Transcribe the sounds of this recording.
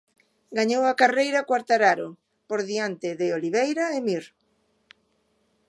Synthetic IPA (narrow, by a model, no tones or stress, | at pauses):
ɡaɲowakarejɾɐkwaɾt̪aɾaɾʊ | poɾðiant̪ɪðɪoliβejɾaemiɾ